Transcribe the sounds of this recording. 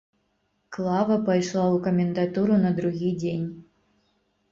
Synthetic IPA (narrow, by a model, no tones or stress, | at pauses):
klˠɑvɐpɐjʃlˠɑukomʲend̪at̪uɾunad̪ɾuɣʲijdʲenʲ